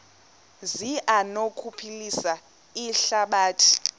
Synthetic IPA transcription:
ziʔanokʰupʰilisa | iɬaɓaːtʰi̥

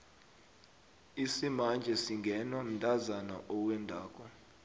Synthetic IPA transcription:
isimand͡ʒʱɛsiŋɡʱɛnwam̩ndʼazana̰ʔɔwɛndʱaːk̬ʼɔ

